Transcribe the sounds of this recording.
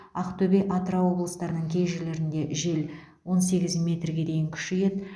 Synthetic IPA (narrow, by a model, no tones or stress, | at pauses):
ɑqt̪ʰɵbeʔɑt̪ɾɑwo̞blˠəst̪ɑɾənəɴkʲʰe̞jʒele̞ɾɪnd̪e̞ʒe̞l | wo̞nse̞ɡʲɪzmʲe̞t̪rɡʲe̞d̪e̞jɪŋkʲʰʏ̥ʃɪje̞t̪